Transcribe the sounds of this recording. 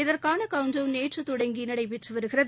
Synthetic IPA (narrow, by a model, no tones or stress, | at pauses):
ɪðɐrkaːnɐkɐʊɲd͡ʒɐʋneːʈrɯt̪ʊɽɐŋɡinɐɽɐɪpɛʈrɯʋɐɾɯɣɪrɐð